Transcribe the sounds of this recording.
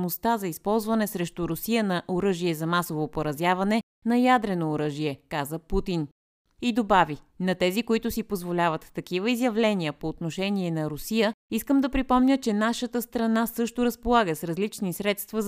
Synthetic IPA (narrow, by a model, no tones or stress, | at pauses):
most̪azɐispɔlˠzvɐnɛsɾɛʃt̪ʊɾʊsijənɐʔoɾɤʒiɛzɐmasovopoɾɐzjavɐnɛ | nɐjad̪ɾɛnoːɾɤʒiɛkazəput̪in | id̪obavinɐt̪ɛzikoit̪ʊsipozvolʲavət̪ːɐkivəizjɐvlɛnijəpoːt̪noʃɛniɛnɐɾʊsijəiskəmd̪ɐpɾipɔmnʲət͡ʃɛnaʃət̪əst̪ɾɐnasɤʃt̪ʊɾɐspolˠaɡəsɾɐzlit͡ʃnisɾɛt̪st̪və